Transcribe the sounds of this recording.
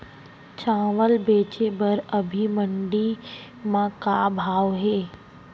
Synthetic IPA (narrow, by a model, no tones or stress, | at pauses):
t͡ʃãːʋəlbeːt͡ʃebəɾəbʱimə̃ɳɖi | mãkabʱaːʋɦeː